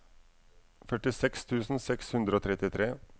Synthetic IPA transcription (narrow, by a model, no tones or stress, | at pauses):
fœʈɪsɛkst̪ʰʉːsn̩sɛkshʉnd̪ɾəoːt̪ʰɾɛt̪ɪt̪ʰɾeː